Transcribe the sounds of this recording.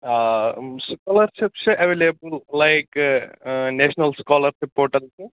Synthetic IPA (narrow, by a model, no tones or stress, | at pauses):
skɔːlɐɾʃɪpsɐʋeːlebəllaɪk | neːʃnɐlskaːlɐɾsipːoːɾʈɐlt̪u